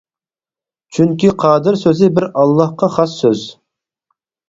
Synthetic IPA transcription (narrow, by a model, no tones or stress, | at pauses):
t͡ʃʰyŋkʲiqʰɑːd̪ɪɾsøzɪbɪɾɑlˠːɑhqɑχɑsːøz